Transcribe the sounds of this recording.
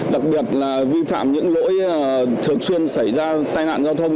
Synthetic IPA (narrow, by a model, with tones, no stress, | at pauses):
ɗa˨˩k̚ɓi˨˩ət̚laː˨˩vi˧fa̰ː˧˨mɲɨ̰˧˥ŋlo̰˧˥jt̪ʰɨ˨˩əŋswi˧ənsa˧˩jzaː˧t̪aː˧jna̰ː˧˨nzaː˧wt̪ʰə˧wŋ͡m